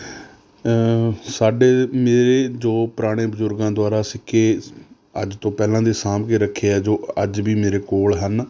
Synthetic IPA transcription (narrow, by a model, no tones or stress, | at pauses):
saːɖeːmeːɾeːd͡ʒoːpɾaːɽ̃eːbəzʊɾɡãːd̪ʊaːɾaːsɪkʰeː | əd͡ʒt̪õːpɛːlãːd̪eːsaːmkeːɾəkʰːeːɛːd͡ʒoːəd͡ʒbiːmeːɾeːkoːlɦən